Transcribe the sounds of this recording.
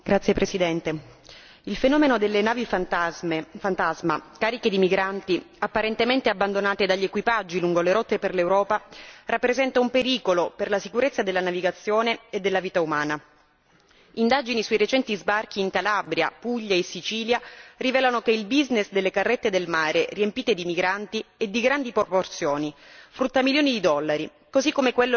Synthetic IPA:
ɡ̥ɾat̪sːjepɾesid̪ɛnt̪e | ilfenɔːmenod̪elːenaːvifa | fant̪azmakaːɾiked̪imiɡɾant̪i | apːaɾent̪ement̪eabːand̪onaːt̪ed̪aʎːekwipad͡ʒːiluŋɡoleɾɔt̪ːeperlewɾɔːparapːɾezɛnt̪aumpeɾiːkoloperlasikuɾet̪sːad̪elːanaviɡat̪sːjoːneed̪ːelːaviːt̪aumaːna | ind̪ad͡ʒinisuiɾet͡ʃɛnt̪izbark̟iːŋkalabɾja̰puʎːaesːit͡ʃiːljarivɛːlanokeilbiznesd̪elːekarːet̪ːed̪elmaːɾeriempiːt̪ed̪imiɡɾant̪ied̪ːiɡɾand̪ipooport̪sjoːnifɾut̪ːamiljoːnid̪id̪ɔlːaɾi | kozikːomekwelːo

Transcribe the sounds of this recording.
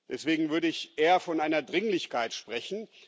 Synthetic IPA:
d̥ɛsv̥eːɡŋ̩vʏɐɾəɪçʔeːɐfɔnʔaɪnɐdʁɪŋlɪçkaɪtʃpʁ̥ɛçn̩

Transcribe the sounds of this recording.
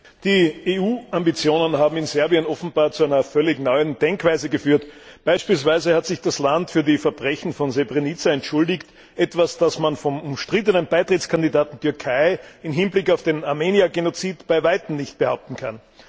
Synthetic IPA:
d̥iːʔeːuːʔambit͡sjoːnənɦaːbm̩ɪnz̥ɛɐbiənɔfn̩baːɐt͡suæɪnɐfœlɪçnɔʏənd̥ɛŋkv̥aɪzəɡəfyːɐtb̥aɪʃpiːls̬v̥aɪzəhatz̥ɪçd̥aslantfyːɐdiːfɛɐbʁɛçn̩fɔnzebʁenit͡saɛntʃʊldɪçt | ʔɛtv̥asd̥asmanfɔmʊmʃtʁ̥ɪt̬ənənb̥aɪtʁɪskʰandidaːtntʰʏɐkʰaɪɪmɦɪnblɪkɑʊfd̥eːnaɐmeːniaɡenot͡siːtb̥aɪvaɪtm̩nɪçt̚b̥əhaʊp̚tn̩kʰa̰n

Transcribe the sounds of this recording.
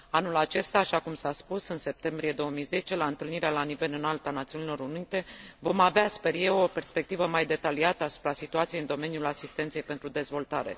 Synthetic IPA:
anulat͡ʃe̞st̪aːʃakumsaspusɨnse̞p̚t̪e̞mbɾije̞d̪o̞womijze̞t͡ʃe̞laɨnt̪ɨlniɾealanive̞lɨnalt̪anat̪siunilo̞ɾunit̪e̞vo̞maveaspe̞rje̞wo̞pe̞rspe̞k̚t̪ivəmajd̪e̞t̪aliat̪əasu̥pɾasit̪uat̪sijeɨnd̪o̞me̞njulasist̪ent̪sejpe̞nt̪ɾud̪e̞zvo̞lt̪aɾe̞̰

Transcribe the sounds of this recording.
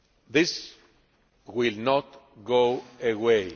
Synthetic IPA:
ðɪs | wɪlnɔt | ɡoewe

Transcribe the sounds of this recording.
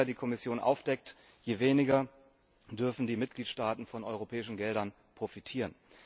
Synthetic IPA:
ɐdiːkʰɔmɪsjoːnʔa̰ʊfd̥ɛk̚t | jeveːnɪɡɐ | d̥ʏɐfn̩diːmɪt̚ɡ̥liːtʃtaːtn̩fɔnʔɔʏʁ̞opʰɛːɪʃn̩ɡɛldɐn | pʁ̥ofitʰiːʁ̞ən

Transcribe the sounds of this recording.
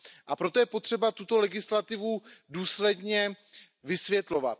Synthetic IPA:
ʔapɾo̞t̪ojɛpo̞t̪r̝̥ɛbat̪ut̪o̞lɛɡɪslat̪ɪvuduːslɛdɲɛ | vɪsvjɛt̪lo̞va̰t̪

